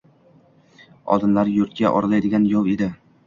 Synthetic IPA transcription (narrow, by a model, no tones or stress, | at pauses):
ɒ̰d̪ɪmlaɾjʊɾt̪̚kʲaʔɒ̰ɾalajd̪ɪɡʲanjɒwed̪ɪ